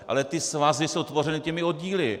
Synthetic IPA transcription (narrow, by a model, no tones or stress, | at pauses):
ʔa̰lɛt̪ɪsvazɪsowt̪vo̞r̝ɛnɪcɛmɪo̞d̪̚ɟiːlɪ